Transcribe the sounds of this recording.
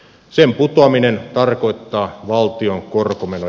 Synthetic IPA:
semput̪oɑminent̪ɑrkoit̪ːɑːʋɑlt̪ioŋkorkomeno

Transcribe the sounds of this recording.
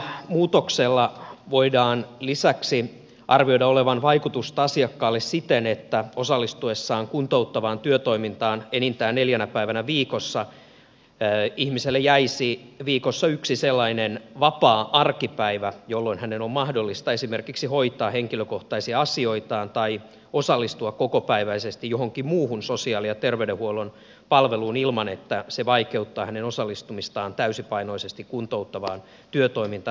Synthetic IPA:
muːt̪okselːɑʋoidɑːnlisæksi | ʔɑrʋio̞idɑoleʋɑnʋɑikut̪ust̪ɑɑsiɑkːɑːlːessit̪enet̪ːæosɑlːist̪uesːɑːŋkunt̪out̪ːɑʋɑːnt̪yøt̪o̞imint̪ɑːnenint̪æːnneljænæpæiʋænæʋiːkosːɑ | ihmiselːejæisiʋiːkosːɑyksiselːɑinenʋɑpɑːʔɑrkipæiʋæjolːoinhænenommɑhdolːist̪ɑesimerkiksihoit̪ˑɑːheŋkiløkoht̪ɑisiɑsio̞it̪ɑːnt̪ɑi | osɑlːist̪uɑkkokopæiʋæisest̪ijjohoŋkimmuːhunsosiɑːlijɑt̪erʋedehuolon | pɑlʋeluːnilmɑnet̪ːæseʋɑikeut̪ːɑːhænenosɑlːist̪umist̪ɑːnt̪æysipɑinoisest̪ikkunt̪out̪ːɑʋɑːn | t̪yøt̪o̞imint̪ɑ

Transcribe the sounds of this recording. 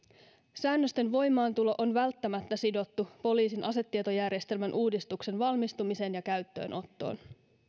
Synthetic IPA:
sæːnːøst̪e̞nʋo̞jmɑːnt̪ulo̞ʔonʋælt̪ːæmæt̪ːæsido̞t̪ːupo̞liːsinʔɑse̞t̪ːiet̪o̞jærjest̪e̞lmænʔuːdist̪ukse̞nʋɑlmist̪umise̞njɑkæɥt̪ːø̞̰ːnʔo̞t̪ːo̞̰ːn

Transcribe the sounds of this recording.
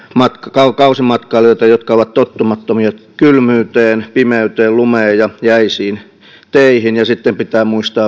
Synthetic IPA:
mɑt̪kɑkɑukɑusimɑt̪kɑiloˑit̪ɑjot̪kɑoʋɑt̪t̪ot̪ːumɑt̪ːomiɑkylmyːt̪eːnpimeyt̪eːllumeːjɑjæisiːn | t̪eihinjɑsit̪ːempit̪æːmuist̪ɑː

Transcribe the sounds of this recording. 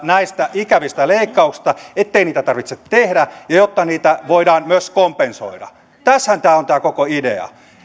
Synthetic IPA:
næist̪æʔikæʋist̪æleikːɑuksi̥s̆t̪ɑet̪ːeiniːt̪æt̪ɑrʋit̪sett̪ehdæjɑjot̪ːɑniːt̪æʋoidɑːnmyøskompenso̰idɑ̰ | t̪æshænt̪æːont̪æːkokoidḛɑ̰

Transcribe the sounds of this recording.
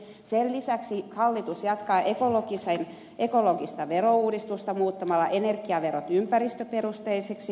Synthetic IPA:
sellisæksihɑlːit̪usjɑt̪kɑːʔekoloɡisen | ʔekoloɡist̪ɑʋeɾouːdist̪ust̪ɑmuːt̪ːɑmɑlːɑʔenerɡiɑʋeɾot̪ympærist̪øperust̪eiseksi

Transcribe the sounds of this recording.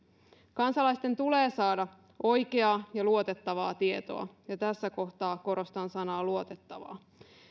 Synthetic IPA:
kɑnsɑlɑjst̪e̞nt̪uleːsɑːdɑ | ʔo̞jkeɑːjɑluot̪e̞t̪ːɑʋɑːt̪ie̞t̪o̞̰ɑ̰jɑt̪æsːæko̞ht̪ɑːko̞ɾo̞st̪ɑnsɑnɑːluo̞t̪et̪ːɑʋɑ̰ː

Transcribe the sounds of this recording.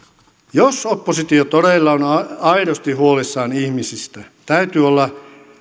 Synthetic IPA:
josopːosit̪iot̪oɾeilːɑonɑɑiɾost̪iɦuolisːɑːnihmisist̪æ | t̪æyt̪yːolːɑ

